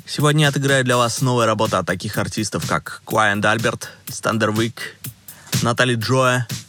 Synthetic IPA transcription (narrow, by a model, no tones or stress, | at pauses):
sʲɪvodʲnʲəɐt̪ɨɡɾajʊd̪lʲɐvasnovəjəɾɐbo̞t̪əɐt̪ːɐkʲixɐrtʲist̪əfka̰kːlˠajɪnd̪alʲbʲɪrt̪st̪ɐ̰nd̪ərvʲik | nɐt̪alʲijʐoə